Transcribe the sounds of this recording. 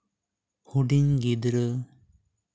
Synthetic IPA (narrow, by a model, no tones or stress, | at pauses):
huɖiŋɡid̪ɾə